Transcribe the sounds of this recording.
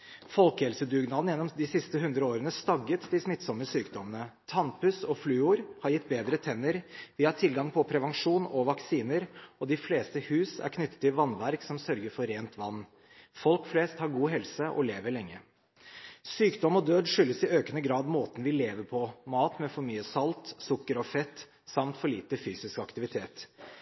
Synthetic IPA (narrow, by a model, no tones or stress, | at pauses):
fɔlkəhɛlsəd̪ʉːɡnɑːd̪n̩jɛnːɔmd̪ɪsɪst̪əɦʉnd̪ɾəoːɾənəst̪ɑɡːət̪d̪ɪsmɪt̪ːsɔmːəsyːkd̪ɔmənət̪ʰɑnpʉsɔflyːuːɾhɑɾjɪt̪ːbeːd̪ɾət̪ʰɛnːəɾʋɪhɑt̪ʰɪlɡɑŋpʰɔpʰɾɛʋɑŋʂuːnɔʋɑksiːnəɾɔd̪ɪfleːst̪əhʉːsæ̰ɾkʰnʏt̪ːə̥t̪ʰːɪlʋɑnʋæɾksɔmsœɾɡəɾfɔɾːeːnt̪ʰʋɑnː | fɔlkfleːst̪hɑɾɡuːɦɛlsəʔɔ̰leːʋəɭɛŋːə | syːkd̪ɔmɔd̪øːd̪ʂʏlːəsɪøːkənəɡɾɑːd̪moːt̪n̩ʋɪleːʋəpʰɔmɑːt̪mɛfɔɾmyːəsɑlt̪sʊkːəɾɔfɛt̪ː | sɑmt̪fɔɭiːt̪əfyːsɪskɑkt̪ɪʋɪt̪ʰeːt̪